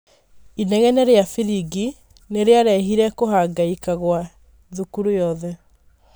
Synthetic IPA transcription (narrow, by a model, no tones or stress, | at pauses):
inɛɣɛneɾeafiɾiɡi | neɾeaɾɛɦiɾɛkoɦaɡaikaɣwa | ðukuɾujɔðɛ